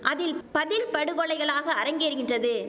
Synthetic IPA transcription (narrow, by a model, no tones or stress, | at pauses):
ʔɐðɪlpɐðɪlpɐɽɯʋɔɭɐɪɣɐɭaːɣɐːɾɐŋɡeːɾɯɣɪndrɐðɯ